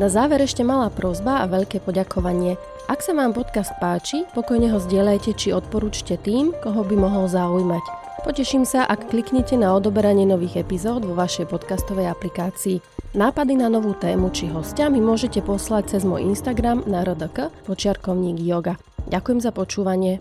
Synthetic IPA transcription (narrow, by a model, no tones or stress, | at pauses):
nazaːʋɛɾɛʃcɛmalaːpɾɔzbaaʋɛʎkɛːpɔɟakʰɔʋaɲɪɛ | ʔaksaʋaːmpɔt̪kast̪̚paːt͡ʃipɔkɔjɲɛɦɔzɟɪɛʎajcɛt͡ʃiɔt̪̚pɔɾuːt͡ʃcɛt̪iːmkɔɦɔbimɔɦɔlzaujmac | pɔcɛʃiːmsaʔakːlikɲɛcɛnaɔd̪ɔbɛɾaɲɪɛnɔʋiːɣɛpizɔːd̪ʋɔʋaʃɛjpɔt̪kast̪ɔʋɛjaplikaːt͡siːnaːpad̪inanɔʋuːt̪ɛːmut͡ʃiɦɔscamimʊɔʒɛcɛpɔslac̚t͡sɛzmɔ̰ːjḭnst̪aɡɾamnaɾɔd̪əkəpɔt͡ʃɪaɾkɔʊɲiːɡjɔɡa | ɟakujɛmzapɔt͡ʃuːʋaɲɪɛ